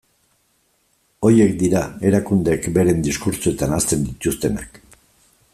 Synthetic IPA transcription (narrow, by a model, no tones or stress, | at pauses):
o̞je̞kd̪iɾae̞ɾakund̪eːkbe̞ɾe̞nd̪iskuɾt͡soe̞t̪anast̪e̞nd̪it̪ust̪e̞na̰k